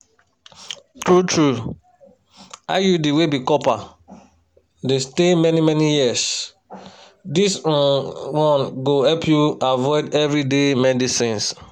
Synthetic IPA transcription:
tɹutʰɹu | a̰judiwebikɔpa | destemɛnimɛnijis | dis | wɔ̃nɡohɛpʰjuavɔɪdɛvɹidemɛdisĩns

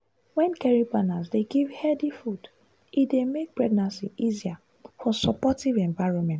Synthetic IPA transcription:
wɛ̃nkɛɹibanazdeɡivhɛdifud | idemek̚pɹɛɡ̚nãnsiʔizia | fɔsɔpɔtivɛ̃ɱvaɪɹɔ̃nmɛ̃nt

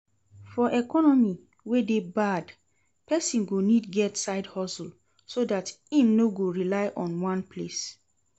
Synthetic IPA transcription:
fɔʔɛkɔnɔmi | wedebad | pɛsĩnɡonidɡɛtsaɪdhɔsl | sodatĩmnoɡoɹilaɪʔɔ̃nwãnpʰles

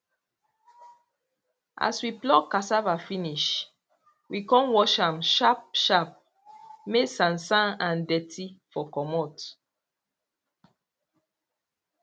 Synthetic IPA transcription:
ʔa̰swiplɔkasavafiniʃ | wikɔ̃nwɔʃãmʃap̚ʃap̚ | mesãnsãnãndɛtʰifɔkɔmɔt

